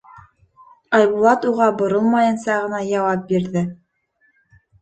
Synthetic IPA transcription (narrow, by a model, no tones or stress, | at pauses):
ɑjβulˠɑt̪uʁɑbŏɾolˠmɑjɤ̆nsɑʁɤ̆nɑjɑwɑp̚biɾðɘ